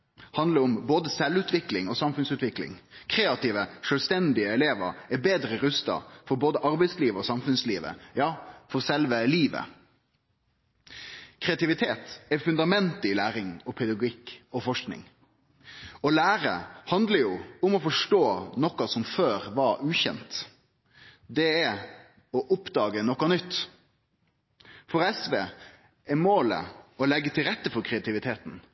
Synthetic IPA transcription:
hɑnd̪ləɾʊmboːd̪əsɛlʉt̪ʰʋɪklɪŋɔsɑmfʉnsʉːt̪ʋɪklɪ̰ŋkʰɾeːɑt̪iːʋəʂœlst̪ɛnd̪ɪəɛleːʋə̰ɾɛbeːd̪ɾəɾʉst̪ɑ̰fɔɾboːd̪əʔɑɾbɛɪsliːʋəɔsɑmfʉnsliːʋə̰jɑːfɔɾsɛlʋəliːʋə̰ | kʰʁɛɑt̪ɪʋɪt̪ʰeːt̪ɛfʉnd̪ɑmɛnt̪ɪlæːɾɪŋɔpʰɛd̪ɑɡʊɪkːɔfɔʂknɪ̰ŋ | ɔlæːɾə̰hɑnd̪ləɾjʊʊmɔfɔʂʈoːnɔkɑsɔmføːɾʋɑɾʉːçɛ̰nt̪ | d̪ɛɛ | ɔʔʊpd̪ɑːɡənɔkːɑnʏt̪ː | fɔɾɛsʋeː | ɛmoːlə̰ɔlɛɡːət̪ʰɪlɾɛt̪ːəfɔɾkʰɾɛɑt̪ɪʋɪt̪ʰeːt̪n̩

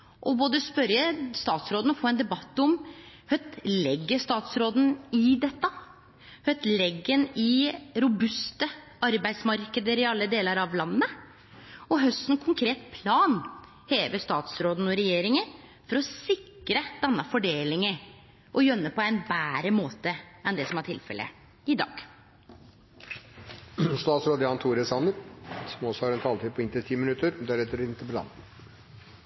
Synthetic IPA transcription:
ʔɔboːd̪əspœɾjəst̪ɑːt̪sɾoːd̪ənɔfoːɛnd̪ɛbɑt̪ːɔmhœt̪lɛɡːəʂt̪ɑːt̪sɾoːd̪n̩ɪd̪ɛt̪ːə | hœt̪lɛɡːənɪɾʊbʉst̪ə | ɑɾbæɪsmɑɾkəd̪əɾɪɑlːəd̪eːləɾɑʋlɑnːə | ɔɦœst̪n̩kʰʊŋkʰɾeːt̪pʰlɑːn | heːʋəʂt̪ɑːt̪sɾoːd̪n̩ɔɾɛjeːɾɪŋənfɔɾɔsɪkɾəd̪̥ɛnːəfɔɖeːlɪŋə | ʔɔjœnːəpʰɔæɪnbæːɾəmoːt̪əɛnd̪ɛsɔmæʈʰɪ̰lfɛ̰lʔə̰ | ɪd̪ɑ̰ːɡ̥ | st̪ɑːt̪sɾoːd̪əjɑːnt̪ʰuːɾəsɑnəɾsɔmɔsɔhɑɾɛnt̪ʰɑːlt̪iːd̪̚pʰɔɪnt̪ət̪ʰiːmɪnʉt̪əɾd̪æɾɛt̪ːəɾɪnt̪ːəpɔlɑ̰ːn

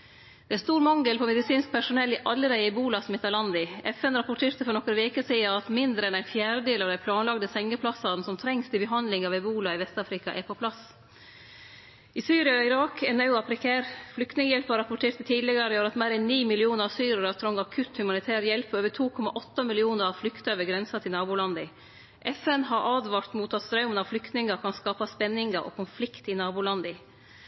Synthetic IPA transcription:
d̪ɛæst̪uːɾmɑŋɡəlpʰɔmɛd̪ɪsiːnsk̚pʰæʂʊnɛlːɪʔɑlːəɾæɪəɪbuːlɑsmɛt̪ːɑlɑnd̪ɪʔɛfɛnɾɑpʊʈʰeːɾt̪əfɔɾɳɔkəɾəʋeːkəsiːɑɑt̪mɪnd̪ɾəɛnæɪnfjæːɾəd̪eːlɑːʋd̪æɪpʰlɑːnlɑɡd̪əsɛŋːəpʰlɑsɑːd̪n̩sɔmt̪ʰɾɛŋst̪ʰɪbəɦɑnd̪lɪŋɑʋɛbuːlɑɪʋɛst̪ɑːfɾɪkɑ̰ʔɛɾpʰopʰlɑs | ɪsyːɾɪɑɔɪɾɑːkʰɛnɑʉɑpʰɾɛkʰæːɾflʏkt̪nɪŋəjɛlpɑɾɑpʊʈʰeːʈt̪ət̪ʰiːd̪lɪɡəɾəoːɾɑt̪meːɾɛnːiːmɪlɪuːnəɾɑsyːɾəɾɑt̪ʰɾɔŋɑkʰʉt̪hʉmɑnɪt̪ʰæːɾəjɛlpøːʋəʈʰuːkʰɔmɑ̰ʔɔt̪ːəmɪlɪuːnəɾɑʋflʏkt̪əøːʋəɡɾɛnsɑt̪ʰɪlnɑːbuːlɑnd̪ə | ʔɛfɛnɦɑɾʔɑːd̪ʋɑɾt̪muːt̪ʰɑt̪st̪ɾɑʉmənɑʋflʏkt̪nɪŋəkʰɑnskɑːpɑspɛnːɪŋɡəɾʔo̰ːkʰʊnflɪkt̪ɪnɑːbuːlɑnd̪ə

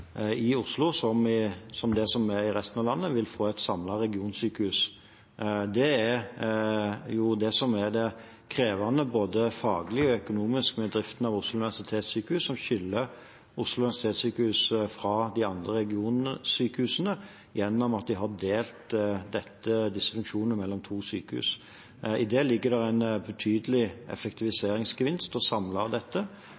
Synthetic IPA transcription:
ɪʊslʊsɔmɪsɔmd̪ɛsɔmæɾɪɾɛst̪nɑʋlɑnːəʋɪlfoːɛɪt̪sɑmlɑɾɛɡɪuːnsyːkəhʉːs | d̪ɛæɾ | jʊd̪ɛsɔmæɾd̪ɛ | kʰɾeːʋɑnəboːd̪əfɑːɡəlɪɔœkʊnuːmɪskmɛd̪ɾɪft̪nɑʋʊslʊʉnɪʋæʂsɪt̪ʰeːt̪syːkəhʉːsːɔmɕʏlːə | ʊslʊʉnʋæsɪ̥t̪ʰeːt̪syːkəhʉːsfɾɑd̪ɪɑnd̪ɾəɾɛɡɪuːnənəsyːkəhʉːsənə | jɛnːɔmɑt̪̚d̪ɪɦɑd̪eːlt̪d̪ɛt̪ːəd̪ɪsːəfʉŋkʃuːnnəmɛlːɔmt̪ʰuːsyːkəhʉ̰ːs | ɪd̪eːlɪɡːəd̪ɛɾɛɪnbət̪ʰyːd̪əlɪʔɛ̰fɛk̚t̪ɪʋɪseːɾɪŋsɡəʋɪnst̪ɔsɑmlɑd̪ɛt̪ːə

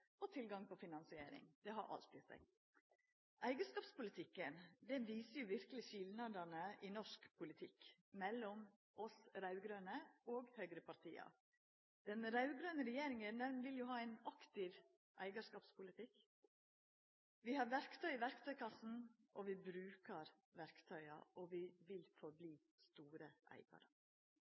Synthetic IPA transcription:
ɔt̪ʰɪlɡɑŋpʰɔfɪnɑnsɪeːɾɪ̰ŋd̪̥ɛɦɑɾʔɑ̰lt̪ɪsæ̰ɪ | ʔæɪɡəʂkɑːpspʊlɪt̪ʰɪkːənd̪ɛnʋiːsəɾjʊʋɪɾkəlɪʃɪlnɑd̪ɑnəʔɪnɔʂkpʰʊlɪt̪ʰɪk | mɛlːɔm | ʔɔsɾɑʉɡɾønəoːɡhœɡɾəpʰɑɾt̪ʰḭːɑ̰ | d̪̥ɛnɾɑʉɡɾøːnəɾɛjeːɾɪŋənd̪ɛnʋɪljʊɦɑːæɪnɑkt̪ɪʋ | ʔæ̰ɪɡɑʂkɑːpspʰʊlɪt̪ɪk | ʋɪhɑɾʋæɾkt̪ʰœʏɪʋæɾkt̪ʰœʏkʰɑsn̩ʔɔʋɪbɾʉːkəɾ | ʋæɾkt̪ʰœʏɑ̰ʔɔʋɪʋɪlfɔɾbliː | st̪uːɾəʔæ̰ɪɡɑ̰ɾə

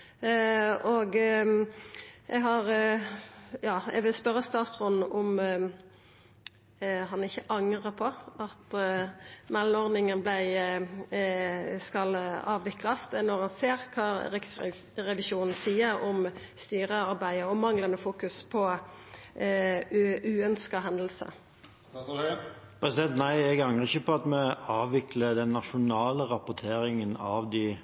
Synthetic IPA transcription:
ɔɡ | ʔɛɡɦɑʁ | jɑːɛɡʋɪlspœʁːəst̪ɑːt̪sʁɔnn̩ʔʊm | ɦɑnɪçəʔɑŋʁəpʰɔɑt̪ | mɛlmɔʁd̪ɪŋənblæɪ | skɑlɑːʋʋɪklɑsnɔʁɑnseːʁkʰɑːʁɪks | ʁɛʋɪsuːnn̩siːəɾɔm | st̪yːʁəɑɾbæɪəɔmɑŋlənəfuːkʉspʰɔ | ʉːœnskɑɦɛnd̪l̩sə̰ | pʰɾɛsɪd̪ɛnt̪næɪɛɡɑŋʁəɪçːəpɔɑt̪mɛɑːʋɪkləd̪ɛnːɑʃʊnɑːləʁɑpʊt̪ʰeːɾɪŋənɑʋd̪ɪ

